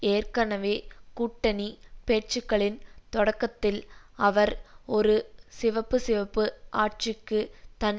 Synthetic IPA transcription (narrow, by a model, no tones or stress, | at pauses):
eːrkɐnɐʋeːkuːʈːɐnipeːʈt͡ʃɯkːɐɭɪnt̪ɔɽɐkːɐt̪ːɪlɐʋɐɾɔɾɯsɪʋɐpːɯsɪʋɐpːɯʔaːʈ̚t͡ʃɪkːɯt̪ɐn